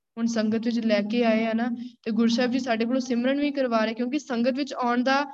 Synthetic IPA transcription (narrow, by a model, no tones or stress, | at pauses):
ɦʊnsəŋɡət̪ʋɪt͡ʃlɛːkeːaːeːənaːt̪eːɡʊɾsaːbd͡ʒiːsaːɖeːk̬oːloːsɪmɾəɳʋiːkəɾʋaːɾeɛːkjõːkɪsəŋɡət̪ʋɪt͡ʃaːɳd̪aː